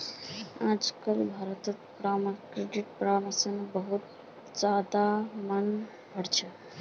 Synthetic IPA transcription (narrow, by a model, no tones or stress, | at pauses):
ãd͡zkəlbʱaɾət̪ət̪pɾamkɾeɖiʈpɾaməsənbəɦut̪ | d͡ʒad̪amən | bʱəɽt͡ʃʰə